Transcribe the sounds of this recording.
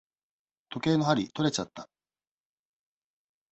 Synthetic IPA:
t̪o̞ke̞ːno̞ɦaɾʲit̪o̞ɾe̞t͡ɕat̪ːḁ

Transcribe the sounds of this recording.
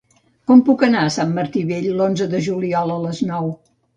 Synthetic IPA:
kɔmpukənaəsamːəɾt̪iβeʎlonzəðəʒuliɔlˠələznɔw

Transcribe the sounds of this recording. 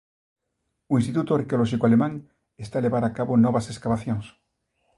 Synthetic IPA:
uĩnst̪it̪ut̪oaɾkeolɔʃikoalemãŋ | est̪aleβaɾakaβonɔβaseskaβaθjõŋs

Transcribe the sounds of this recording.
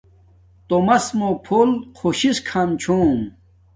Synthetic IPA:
t̪omɐsmopʰolkʰoɕiskʰamt͡ɕʰoːm

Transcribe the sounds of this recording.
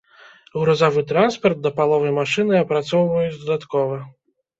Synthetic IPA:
ɣɾɔzɔvɨt̪ɾanspɐrt̪̚d̪ɐpalˠɔvɐjmaʂɨnɨɐpɾat̪sɔwvɐjut͡sʲd̪ɐd̪at̪kɔvɐ

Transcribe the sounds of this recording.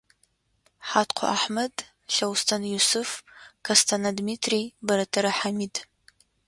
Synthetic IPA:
ħatʰqʷʰa̰ʔaħmɐd | ɬɐwstʰanjusʊfkʰɐstʰanadmitʰribɐɾɐtʰɐɾaħamid

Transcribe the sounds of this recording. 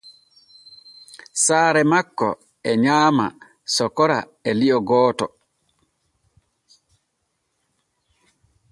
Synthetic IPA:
saːɾɛmakːɔ̰ | ɛɲaːma̰ | sɔkɔɾa̰ | ɛliɔɡɔːtɔ

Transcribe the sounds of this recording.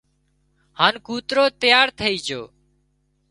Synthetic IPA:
haːnkuːt̪ɾoːt̪əjaːɾt̪ʰəiːd͡ʒoː

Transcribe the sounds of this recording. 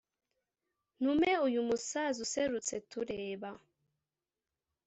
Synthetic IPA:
numeujumusazuseɾut͡setuɾeːβa

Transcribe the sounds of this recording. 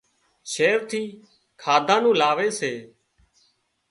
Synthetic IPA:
ʃeːɾt̪ʰiː | kʰaːd̪ʱãːnũːlaːʋeːseː

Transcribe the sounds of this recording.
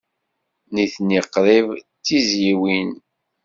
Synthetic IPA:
niθniqːɾivt͡sːizjiwin

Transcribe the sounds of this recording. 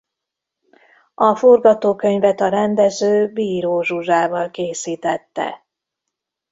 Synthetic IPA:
ɒfo̞rɡɒt̪oːkø̞ɲvɛt̪ɒɾɛnd̪ɛzøːbiːɾoːʒuʒaːvɒlkeːsiːt̪ɛt̪ːɛ̰

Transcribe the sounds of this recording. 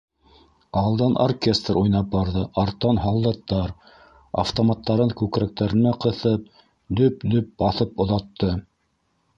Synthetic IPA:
ɑlˠd̪ɑnʔo̰rkʲe̞st̪rujnɑp̚bɑɾðɤʔɑɾt̪ːɑnɦɑlˠd̪ɑt̪ːɑɾ | a̰ft̪omɑt̪ːɑɾɤŋkʉkɾæk̚t̪æɾɘ̆næqɤ̆θɤp̚ | d̪ɵpd̪ɵp̚bɑθɤpŏðɑt̪ːɤ

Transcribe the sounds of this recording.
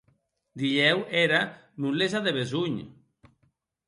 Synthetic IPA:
d̪iʎeweɾa | nulezaðeβezuɲ

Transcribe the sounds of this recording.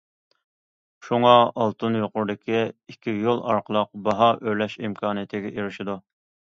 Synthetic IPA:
ʃuŋɑɑlˠt̪ɨnjoqʊɾd̪ɪkʲʰiikʲʰːijolˠʔɑɾqʰəlˠʊq̚bɑɦɑʔølɛʃimkʰɑːnɨjt̪ʰɪɡʲɛʔeɾɪʃɪd̪u

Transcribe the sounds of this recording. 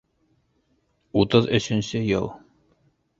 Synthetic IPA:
ut̪ɤðɵ̆ɕɘ̆nsɘjɤ̰lˠ

